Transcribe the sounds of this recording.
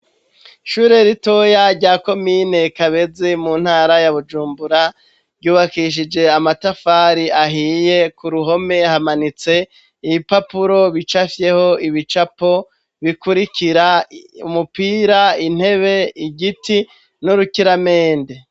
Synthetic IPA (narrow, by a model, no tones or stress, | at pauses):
ʃuːɾe̞ɾito̞jaɾɟaːko̞miːne̞kaβe̞zimuːn̥haːɾajaβud͡ʒuːmbuɾa | ɾɟuːβakiʃ̬id͡ʒe̞amatafaːɾiʔaɦiːje̞kuɾuɦo̞me̞hamanit͡se̞ | iβipapuɾo̞βit͡ʃafje̞ho̞ʔiβit͡ʃapo̞ | βikuɾikiɾaṵmupiːɾain̥he̞βe̞iɟiti | nuɾukiɾameːnde